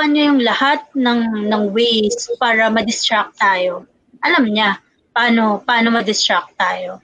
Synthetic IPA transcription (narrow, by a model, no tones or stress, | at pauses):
anojʊŋlɐhat̪̚nɐŋnɐŋwejspaːɾɐmɐd̪ɪst̪ɾak̚tt̪aːjo̞ | ʔɐlɐmɲa | pɐʔaːno̞pɐʔaːnomɐd̪ɪst̪ɹak̚t̪aːjo̞